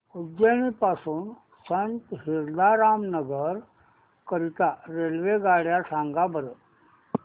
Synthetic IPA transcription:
udeñipasuːn | sənt̪ɦiɾd̪aɾamnəɡəɾ | kəɾit̪aɾelʋeɡaɽjasãŋɡabəɾə

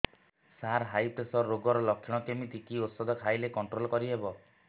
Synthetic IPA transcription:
saɾɦajpɾesɔɾːoɡɔɾɔlɔkʰːiɽ̃ɔkemit̪ikiot̪sɔd̪ʱɔkʰajlekɔɳʈɾolɔkɔɾiɦebɔ

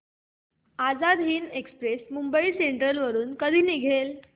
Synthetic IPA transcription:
ad͡zad̪ɦiːnekspɾesmumbəiseɳʈɾəlʋəɾuːnkəd̪ʱiːniɡʱel

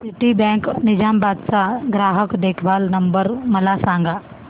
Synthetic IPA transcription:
sɪʈibɛ̃ːŋknɪd͡ʒaːmbaːd̪saɡɾaːɦəkd̪eːkʰbaːlnɐmbəɾmɐlaːsãːŋɡʱaː

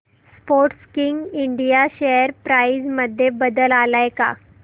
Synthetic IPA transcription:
spoɾʈskiŋɡiɳɖijaɕejəɾpɾaid͡zməd̪ʱːjebəd̪əlalajka̰

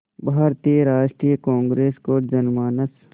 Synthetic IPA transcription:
bʱaːɾt̪ijəɾaːʃʈɾiːjkãːŋɡɾeːskod͡ʒɐnmaːnəs

